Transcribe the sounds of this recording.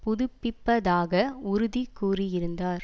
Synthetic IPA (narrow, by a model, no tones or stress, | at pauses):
pʊðʊpːɪpːɐðaːɣɐʊɾʊðikːuːrɪjɪɾɯnd̪aːɾ